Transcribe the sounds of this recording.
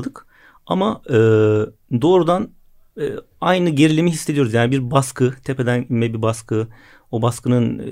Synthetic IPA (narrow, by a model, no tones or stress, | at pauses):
d̪ɯk | amaɯːd̪o̞ːɾud̪anː | ajnɯɟe̞ɾilʲimiɦisːeioɾzjaːnibiɾbaskʰɯt̪ʰepe̞d̪ænmɛbibaskʰɯ | obaskɯnɯn